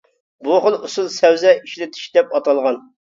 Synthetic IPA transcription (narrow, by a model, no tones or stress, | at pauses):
buχəlˠusulˠsɛwzɛiʃlɪt̪ʰɪ̥ʃd̪ɛpɑt̪ɑlˠʁɑn